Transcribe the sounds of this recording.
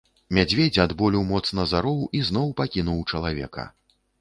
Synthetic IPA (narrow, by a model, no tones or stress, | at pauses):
mʲad͡zʲvʲed͡zʲad̪bɔlʲiwmɔt̪snɐzaɾɔwʔiznɔwpakʲinuwt͡ʂɐlˠavʲɛ̰kɐ̰